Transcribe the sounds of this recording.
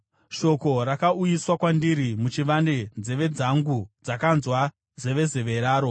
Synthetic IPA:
ʃo̞ko̞ɾakaujiswakwandiɾimut͡ʃiʋande̞nd͡zeʋe̞d͡zaŋɡud͡zakanzwa | ze̞ʋe̞ze̞ʋe̞ɾaːɾo̞

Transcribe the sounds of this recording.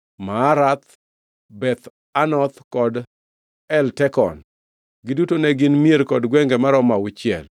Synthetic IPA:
maːɾat̪ | bɛt̪ | anɔt̪kɔd | ɛltɛkɔ̰n | ɡɪdutonɛɡɪnmieɾkɔdɡwɛŋɡɛmaɾɔmawʊt͡ʃɪɛ̰l

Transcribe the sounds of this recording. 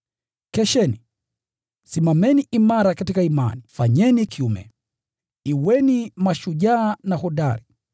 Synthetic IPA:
kɛʃɛni | simamɛniʔimaɾakatikaima̰nifaɲɛnikʰiumɛ̰ | iwɛnimaʃuʄaːnahɔɗaɾi

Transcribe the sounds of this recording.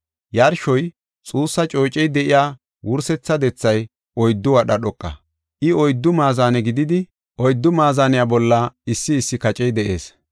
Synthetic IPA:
jaɾʃɔj | t͡sʼuːsːɐt͡ʃʼo̞ːt͡ʃʼɛjd̪ɛʔɪjaː | wʊɾsɛt͡sːɐd̪ɛt͡sːɐj | ʔɔjd̪ːʊwɐɗɐɗɔkʼːɐ̰ | ʔɪɔjd̪ːʊmaːzaːnɛɡɪd̪ɪd̪ɪ | ʔɔjd̪ːʊmaːzaːnɪjabɔlːɐɪsːɪːsːɪkɐt͡ʃʼɛjd̪ɛʔe̞̰ːs

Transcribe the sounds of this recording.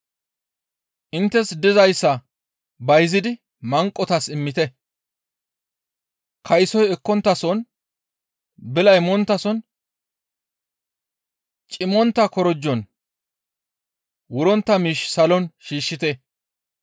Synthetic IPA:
ʔɪnt̪ːɛsd̪ɪzɐjsːɐ | bɐjzɪd̪ɪ | mɐŋkʼːɔt̪ɐsɪmːɪt̪ɛ | kʰɐjsɔjɛkːɔnt̪ːɐsɔn | bɪlɐjmɔnt̪ːɐsɔn | t͡ʃʼɪmːɔnt̪ːɐkɔɾɔd͡ʒːɔn | wʊɾɔnt̪ːɐmiːʃsɐlɔnʃiːʃːɪt̪ɛ

